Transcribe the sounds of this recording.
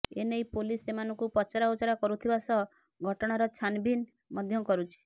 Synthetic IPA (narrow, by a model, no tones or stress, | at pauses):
ḛnejpolisemanɔŋkupɔt͡ʃaɾaut͡ʃaɾakɔɾut̪ʰibasɔ | ɡʱɔʈɔɽ̃aɾɔt͡ʃʰanbin | mɔd̪ʱjɔkɔɾut͡ʃʰi̥